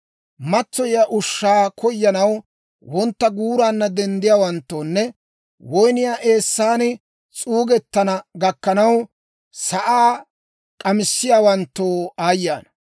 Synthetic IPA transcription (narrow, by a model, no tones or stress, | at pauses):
mɐt͡sːɔjjaʔʊʃːaːkʰɔjːɐnɐw | wɔnt̪ːɐɡuːɾaːnːɐd̪ɛnd̪ɪjaːwɐnt̪ːoːnːɛ | wɔjnɪjaːʔe̞ːsːaːnɪ | t͡sʼuːɡɛt̪ːɐnɐɡɐkːɐnɐw | sɐʔaː | kʼɐmɪsːɪjaːwɐnt̪ːoːaːjːaːn